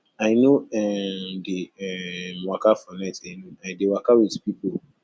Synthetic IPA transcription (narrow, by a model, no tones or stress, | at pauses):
aɪjnoɛdeɛmakafanɛtanoadewakawidpipo